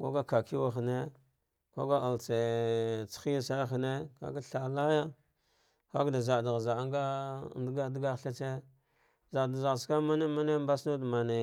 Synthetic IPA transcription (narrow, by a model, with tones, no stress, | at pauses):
ka̰˦ɡa˦ka˨ki˦wa˨xne˦ | kʷa˦ɡa˦a˨lt͡se˨t͡sxi˦a˦sa˦xne˦ka̰˨ka˦ɬa˨la˦ja˦ | xa˦kda˨za˨da˨ɣza˨a˦ŋɡa˦˨dɡa˦dɡa˦ɬa˦t͡se˦ | za˨da˨za˨ɣska˦ma˦ne˦ma˦ne˦mba˦sno˦dma˨ne˨